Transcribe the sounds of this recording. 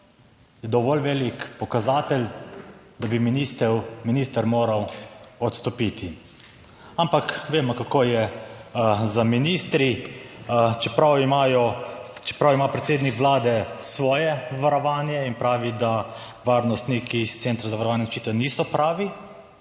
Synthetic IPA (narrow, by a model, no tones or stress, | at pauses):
jɛd̪ɔʋɔlʋeːlikpɔkazaːt̪ɛl | d̪abiminist̪ɛminiːst̪əɾmoːɾawɔt̪st̪ɔpit̪ʰi | ampakʋeːmɔkakoːjɛ | zaminiːst̪ɾi | t͡ʃɛpɾawimajɔt͡ʃɛ̥pɾawimapɾɛt̪seːd̪nikʋlaːd̪ɛsʋɔːjɛʋaɾɔʋaːnjɛinpɾaːʋid̪a | ʋaːɾnɔst̪nikist̪sent̪ɾazaʋaɾɔʋaːnjɛt͡ʃit̪ɛwniːsɔpɾaːʋi